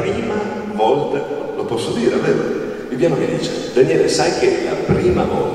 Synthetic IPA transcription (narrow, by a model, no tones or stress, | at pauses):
ɾiːma | vɔlt̪a | lopɔsːod̪iːɾeaveːɾo | vibjaːmokid̪iːt͡ʃe | d̪anjɛːlesajk̟ela̰pɾiːmavɔlt̪